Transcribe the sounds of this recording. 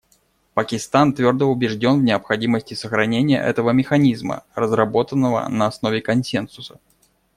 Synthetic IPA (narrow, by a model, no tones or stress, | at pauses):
pəkʲɪst̪ant̪vʲo̞rd̪əʊbʲɪʐdʲo̞nvnʲɪəpxɐdʲiməsʲtʲɪsəxɾɐnʲenʲɪjə̰ʔɛ̰t̪əvəmʲɪxɐnʲizmə̰rəzrɐbo̞t̪ənːəvə̰nəɐsno̞vʲɪkɐnsʲensʊsə̥